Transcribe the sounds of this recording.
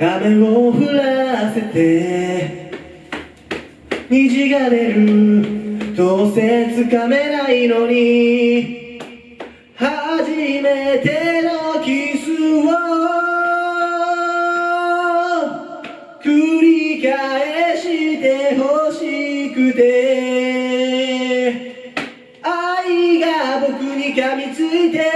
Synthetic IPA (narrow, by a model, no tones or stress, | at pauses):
ɡameoɸɯ̟ɾase̞t̪e̞ | ɲ̟iʑiɡaɾeɾɯ̟ | d̪oset͡sɨkame̞naino̞ɲ̟i | haʑime̞t̪e̞nokʲisɨo | kɯɾikaeɕit̪e̞hoɕikɯt̪e̞ | aiɡabo̞kɯɲ̟ikamʲit͡sɨit̪e̞